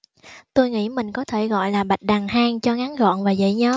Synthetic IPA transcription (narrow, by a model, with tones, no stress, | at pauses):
t̪o˧jŋḭ˧˥mï˨˩ŋ̟kɔ˨˦t̪ʰe˧˩ɣɔ̰˧˨jlaː˨˩ɓa˨˩jk̚ɗa˨˩ŋhaː˧ŋt͡ɕɔ˧ŋa˨˦nɣɔ̰˧˨nvaː˨˩zə̰˧˨ɲəː˨˦